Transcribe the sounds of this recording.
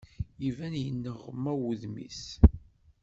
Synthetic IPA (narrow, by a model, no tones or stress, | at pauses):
ivænjənːəʁəmːæwuðmḭθ